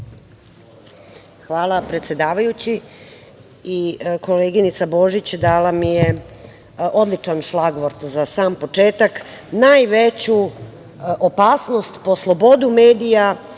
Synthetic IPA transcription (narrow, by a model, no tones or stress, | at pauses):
xʋaːlˠapɾe̞t̪sje̞d̪aːʋajut͡ɕi | ikoleːɡinit̪sabo̞ʒit͡ɕd̪aːlamije | o̞d̪lit͡ʃanʃlaɡʋoɾt̪zasaːmpo̞t͡ʂeːt̪ak | najʋet͡ɕu | ʔopaːsno̞st̪po̞slˠo̞bo̞d̪umeːd̪ija